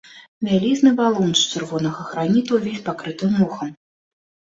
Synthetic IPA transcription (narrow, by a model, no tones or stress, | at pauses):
vʲælʲiznɨbalˠunʂt͡ʂɨrvɔnɐɣɐxɾanʲit̪uwvʲesʲpakɾɨt̪ɨmːɔxɐm